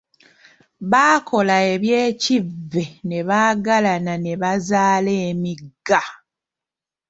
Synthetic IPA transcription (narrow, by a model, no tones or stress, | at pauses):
βaːkʰo̞lae̞βje̞ːcivːe̞ne̞βaːɡalanane̞βazaːle̞ːmiɡːa